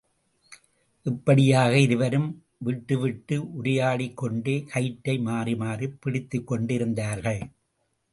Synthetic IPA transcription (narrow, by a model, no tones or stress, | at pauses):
ʔɪpːɐɽɪjaːɣɐɪɾɯʋɐɾɯm | ʋɪʈːɯʋɪʈːɯʊɾɐjaːɭɪkːɔɳɖeːkɐɪʈːɐɪmaːrimaːripːɪɽɪt̪ːɯkːɔɳɖɪɾɯnd̪aːɾɣɐɭ